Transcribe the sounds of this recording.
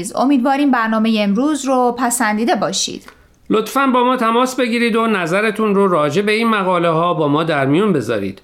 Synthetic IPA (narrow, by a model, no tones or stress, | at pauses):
zo̞̰miːd̪vɒːɾiːmbæɾnɒːme̞jeːmɾuːzropʰæsænd̪iːd̪e̞bɒːʃḭd̪̥ | lo̞t̪fænbɒːmɒːt̪ʰæmɒːsbe̞ɡiːɾiːd̪onæzæɾet̪ʰunroɾɒːd͡ʒe̞be̞iːnmæɣɒːleɦɒːbɒːmɒːd̪æɾmijunbe̞zɒ̰ːɾḭːd̪̥